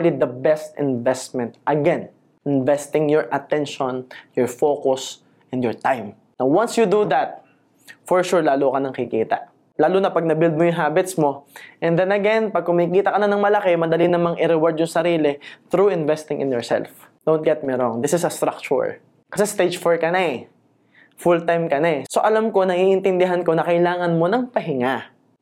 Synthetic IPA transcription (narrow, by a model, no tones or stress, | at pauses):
lid̪ɐbɛst̪ɪ̰nvɛst̪̚mɛ̃nt̪̚ʔɐɡɛn | ɪnvɛst̪ɪ̃ŋjɔɹʔɐt̪ɛ̃nʃɔ̃njɔɹfoːkʊs | ʔɛ̃nd̪jɔɹt̪ajm | nawwãnsjud̪ud̪ɐt̪̚ | fɔɹʃuɹlaːlukɐnɐŋkɪkiːt̪ɐ̰ʔ | laːlʊnɐpɐɡ̚nɐbɪld̪̚mojʊŋɦaːbɪt̪smoʔɛnd̪ɛnɐɡɛnpɐɡ̚kʊmɐikiːt̪ɐkɐnɐnɐŋmɐlɐkɛmɐd̪ɐlinɐmaŋʔɪɾɛwɔɹd̪jʊŋsɐɾiːlɪt̪ɾuɪnvɛst̪ɪŋʔɪ̰njɔɹsɛ̰lfd̪ownt̪̚ɡɛt̪̚miɾɔŋd̪ɪsɪsɐst̪ɾak̚t͡ʃʊ̰ɹ | kɐsɛst̪ed͡ʒfɔɹkɐnaɛ | fult̪ajmkɐnaɛso̞ʔɐlamko̞nɐhiʔɪnt̪ɪnd̪ɪɦanko̞nɐkɐjlaːŋɐnmo̞nɐŋpɐɦɪŋa